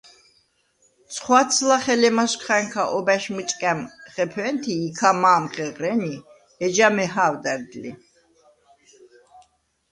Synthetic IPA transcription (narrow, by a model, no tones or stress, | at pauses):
sʰχwat̪sʰlaχɛlɛmaʃkχaŋkʰaʔɔbæʃmit͡ʃʼkʼɛmχɛpʰɛnt̪ʰiːkʰamaːmχɛʁɾɛni | ɛd͡ʒamɛɦaːwd̪ɛɾd̪lḭ